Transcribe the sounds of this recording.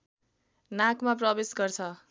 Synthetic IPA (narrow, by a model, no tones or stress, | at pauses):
nakmap̬rʌbesɡʌrt͡sʰʌ